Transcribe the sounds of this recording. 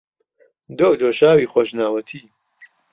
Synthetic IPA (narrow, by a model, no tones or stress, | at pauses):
d̪oːd̪oːʃaːwiːxoʃnaːwɐt̪ʰiː